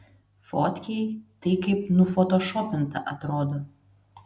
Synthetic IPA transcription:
fɔt̪ʲkʲɛjt̪ɐɪkɐɪpnʊfɔt̪ɔʃɔpʲɪnt̪ɐ̰ʔɐt̪ɾoːd̪o

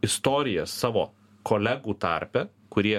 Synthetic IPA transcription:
ɪst̪oːɾʲɪjɛssɑːʋo̰ː | koːlʲæɡuːt̪ɑ̰ɾʲpʲɛ | kʊɾʲiɛ

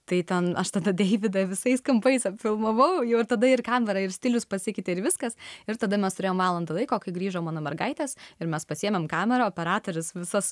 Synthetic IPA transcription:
t̪ɐɪt̪ʲɛnɐʃt̪ɐd̪ɐd̪ʲɛɪʋʲɪd̪ɐʋʲɪsɐɪskɐmpɐɪsɐpʲfʲɪlˠmɐʋɐʊjɛʊɪɾt̪ɐd̪ɐɪrkɑːmʲɛɾɐɪɾsʲt̪ʲɪlʲʊspɐsʲɪkʲɪt̪ʲɪɪɾʋʲɪskɐsɪɾt̪ɐd̪ɐmʲɛst̪ʊɾʲeːjoːmʋɑːlˠɐnd̪ɐlˠɐɪkoːkɐɪɡɾʲiːʒoːmɑːnoːmʲɛrɡɐɪt̪ʲeːsɪɾmʲɛspɐsʲiːɛmʲɛmkɑːmʲɛɾɐoːpʲɛɾɑːt̪oːɾʲʊsʋʲɪsɐs

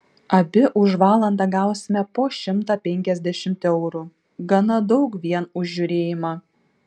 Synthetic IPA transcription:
ɐbʲɪʔʊʒʋɑːlˠɐnd̪ɑɡɑˑʊsʲɪmʲɛpoːʃʲɪmt̪ɑːpʲɛŋʲkʲɛzʲd̪ʲɛʃʲɪmʲt̪ʲɛʊɾu | ɡɐnɐd̪ɒʊkʋʲiɛnʊʒʲʒʲʊɾʲeːjɪmɑː

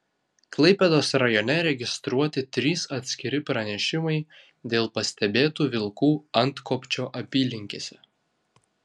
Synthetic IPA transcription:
klˠɐɪpʲɛd̪oːsɾɐjɔnʲɛɾʲɛɡʲɪst̪ɾuɔt̪ʲɪt̪ʲɾʲiːsɐt̪ʲsʲkʲɪɾʲɪpɾɐnʲɛʃʲɪmɐɪ | d̪ʲeːlˠpɐsʲt̪ʲɛbʲeːt̪uːʋʲɪlˠkuːɐnt̪kopʲt͡ʃʲoːʔɐpʲiːlʲɪŋʲkʲeːsʲɛ

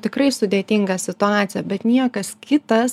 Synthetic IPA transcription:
t̪ʲɪkrɐɪsʊd̪ʲeːt̪ʲɪŋɡɐsʲɪt̪ʊaːt̪sʲɪjɛbʲɛt̪nʲiɛkɐskʲɪt̪ɐs

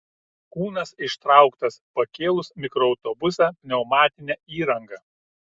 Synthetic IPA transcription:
kuːnɐsɪʃt̪ɾɑˑʊkt̪ɐspɐkʲeːlˠʊsmʲɪkɾɔɒʊt̪ɔbʊsʲænʲɛʊmɑːt̪ʲɪnʲæːiːɾɐŋɡɐ

